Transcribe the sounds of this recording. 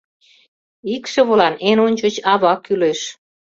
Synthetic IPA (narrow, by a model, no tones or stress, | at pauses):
ikʃĕβolɑnenonʲt͡ɕə̆t͡ɕɑβɑkyleʃ